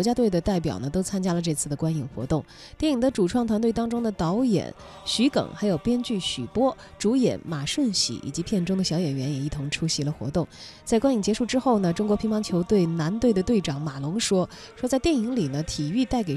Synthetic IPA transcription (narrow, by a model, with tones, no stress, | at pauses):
t͡ɕja˥t̪we˥˩ɪd̪ə˩t̪a˥˩ɪp̬jɑ̰˨˩ʊnə˦t̪o˥ʊt͡sʰa˥nt͡ɕja˥lə˨ʈ͡ʂɤ˥˧t͡sʰɹ̩˥˩d̪ə˩kwa˥ni˨˩ŋxwɔ̰˧˥t̪ʊ˥˩ŋ | t̪jɛ˥˩ni˨˩ŋd̪ə˧ʈ͡ʂu˨˩ʈ͡ʂʰwɑ˥˩ŋt̪ʰwa˧˥nt̪we˥˩ɪt̪ɑ˥ŋʈ͡ʂʊ˥ŋd̪ə˨t̪ɑ˧˥ʊjɛ̰˨˩˦n | ɕy˧˥kɤ̰˨˩ŋxa˧˥ɪjo˨˩ʊpjɛ˥nt͡ɕy˥˩ɕy̰˨˩pwɔ˥ | ʈ͡ʂu˧˥jɛ̰˨˧˥nma˨˩ʂwə˥˩nɕḭ˨˥ʔḭ˨˩t͡ɕi˧˥pʰjɛ˥˩nʈ͡ʂʊ˥ŋd̪ə˨ɕjɑ˧˥ʊjɛ˨˩nɥɛ˧˥njɛ˨˩i˥˩t̪ʰʊ˧˥ŋʈ͡ʂʰu˥ɕi˧˥lə˧xwɔ̰˧˥t̪ʊ˥˩ŋt͡sa˥˩ɪkwa˥ni˨˩ŋt͡ɕjɛ˧˥ʂu˥˩ʈ͡ʂɻ̩˥xo˥˩ʊnə˩ʈ͡ʂʊ˥ŋk̬wɔ˧˥pʰi˧˥ŋpɑ˧˥ŋt͡ɕʰjo˧˥ʊt̪we˥˩ɪna˧˥nt̪we˥˩ɪd̪ə˩t̪we˥˩ɪʈ͡ʂɑ˨˥ŋma˨˩lʊ˧˥ŋʂwɔ˥ | ʂwɔ˥t͡sa˥˧ɪt̪jɛ˥˩ni˧˥ŋli˨˩nə˦t̪ʰi˨˩y˥˧t̪a˥˩ɪk̬e˨˩